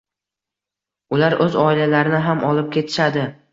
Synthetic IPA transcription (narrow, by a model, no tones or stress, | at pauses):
ʊlaɾʔɵzɒɪlalaɾɪnɪɦamɒlɪp̚kʲʰe̞t̪ʰɪ̥ʃad̪ɪ